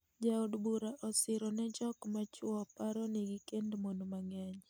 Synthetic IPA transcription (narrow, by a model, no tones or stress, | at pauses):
d͡ʒaudbuɾaʔɔsɪɾɔnɛd͡ʒɔkmat͡ʃwɔpaɾɔnɪɡɪkendmonomaŋɛɲ